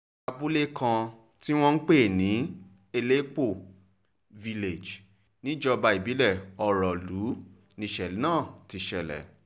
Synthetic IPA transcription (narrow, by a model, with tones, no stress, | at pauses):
a˧bu˦le˦kʰã˧ | ti˦w̃ɔ̃˦n̩˦k͡pe˦˨nĩ˨˦ | e˧le˦k͡po˦˨ | vi˧le˨d͡ʒ | nĩ˨˦d͡ʒɔ˧ba˧i˨bi˨˦lɛ˦˨ɔ˧ɾɔ˨lu˨˦ | nĩ˧˨ʃɛ˨˦nãː˦˨ti˧ʃɛ˨lɛ̰˨